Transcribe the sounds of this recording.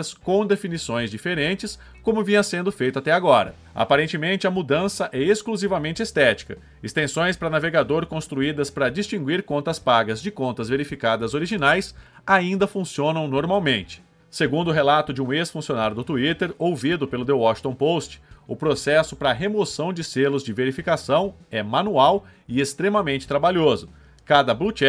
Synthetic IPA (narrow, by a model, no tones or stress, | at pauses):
ɐskõw̃d̪efinisõj̃zd͡ʒifeɾẽnt͡ʃɪs | kõmʊvĩɲɐsẽnd̪ʊfejt̪ʊat̪ɛaɡɔɾɐ̰ | a̰paɾẽnt͡ʃɪmẽnt͡ʃɪɐmud̪ɐ̃sɐʔɛeskluzivɐmẽnt͡ʃɪest̪ɛt͡ʃi̥kɐ | ɪst̪ẽsõj̃spɾɐnaveɡad̪oɾkõst̪ɾuid̪ɐspɾɐd͡ʒist͡ʃĩɡwiɾkõnt̪ɐspaɡɐzd͡ʒɪkõnt̪ɐzveɾifikad̪ɐzoɾiʒinajs | aĩnd̪ɐfũsiõnɐ̃w̃noɾmawmẽnt͡ʃɪ̥ | seɡũnd̪ʊɦelat̪ʊd͡ʒɪũesfũsionaɾjʊd̪ʊt̪uit̪eɾowvid̪ʊpelʊd̪ewɔʃt̪õw̃post͡ʃɪ̥ʊpɾosɛsʊpɾɐːɦemosɐ̃w̃d͡ʒɪselʊzd͡ʒɪveɾifikasɐ̃w̃ɛmanuaw | ɪest̪ɾemɐmẽnt͡ʃɪ̥t̪ɾabaʎozʊ | kad̪ɐblut͡ʃɛ